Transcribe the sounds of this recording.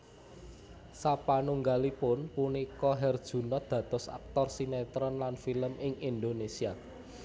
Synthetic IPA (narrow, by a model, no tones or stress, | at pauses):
sapanuŋɡalipʊnpunikɔɦɛrd̥ʒ̥ṳnɔd̪̥ä̤t̪ɔ̤sa̰k̚t̪ɔrsinet̪ɾɔnlanfiləmʔɪŋind̪onesia